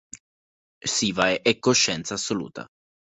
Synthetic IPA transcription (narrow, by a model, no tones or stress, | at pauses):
siːvaeʔɛkːoʃːɛnt̪saːsːolṵːt̪ʰa̰